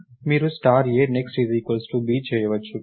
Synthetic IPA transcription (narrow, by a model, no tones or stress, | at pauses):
miːɾusʈaːɾjeɾneksʈizikʋɐlsʈubiːt͡ʃɛjɐʋɐt͡ʃːu